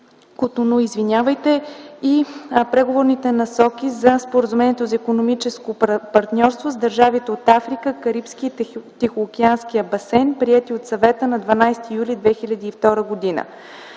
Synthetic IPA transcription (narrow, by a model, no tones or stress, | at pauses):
kot̪onoizvinʲavəjt̪ɛipɾɛɡovoɾnit̪ɛnɐsɔkʲizɐspoɾəzumɛniɛt̪ozɐikonomit͡ʃɛskopɐɾt̪nʲɔɾst̪vozd̪əɾʒavit̪ɛot̪afɾikəkɐɾipskit̪ixokʲianskiɐbɐsɛnpɾiɛt̪iot̪sɐvɛt̪ənɐd̪vɐnajst̪iːjulʲid̪vɛxilʲəd̪iːft̪ɔɾəɡod̪inə̰